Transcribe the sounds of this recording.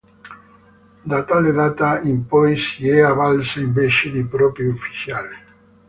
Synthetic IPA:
d̪at̪aleðat̪aimpɔjsiɛaβalsimbeʃenipɾɔpɾjufi̥θjale

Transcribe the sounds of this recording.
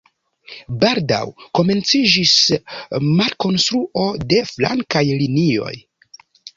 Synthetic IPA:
baɾda̰wko̞me̞nt͡sid͡ʒis | maɾko̞nstɾuʔo̞de̞fla̰ŋkajlinio̞̰j

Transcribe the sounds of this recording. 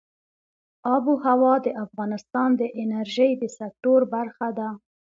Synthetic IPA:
ɑbuhawɑd̪əʔafɣɑnɪst̪ɑnd̪əʔɪnaɾʒəjd̪əsak̚t̪oɾbaɾxad̪a

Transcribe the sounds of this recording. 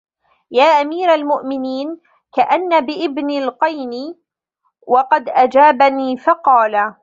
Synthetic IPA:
jaːʔamiːɾalmʊʔmɪniːn | kaʔanːabɪʔɪbnɪlqɑjnɪ | wʔɑqɑd̪ʔad͡ʒaːbaniːfɑqɑːla

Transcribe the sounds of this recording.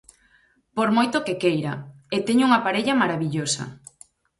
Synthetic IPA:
poɾmojt̪okekejɾa | et̪eɲuŋapaɾeʎɐmaɾaβiʎosɐ̰

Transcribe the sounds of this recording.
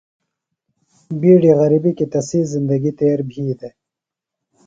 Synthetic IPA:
biːɖiɣɐɾibikit̪ɐsiːzind̪ɐɡit̪eːɾbʱiːd̪e

